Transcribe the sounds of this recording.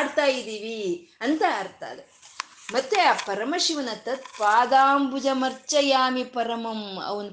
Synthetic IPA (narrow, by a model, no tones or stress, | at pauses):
ɽt̪aːjid̪iːʋiɐnt̪ɐːɾt̪a̰ːd̪e | mɐt̪ːeaːpɐɾɐmɐʃiʋɐnɐt̪ːɐt̪̚paːd̪aːmbud͡ʒɐmɐɾt͡ʃɐjaːmipɐɾɐmɐmɐ̰ʋɐn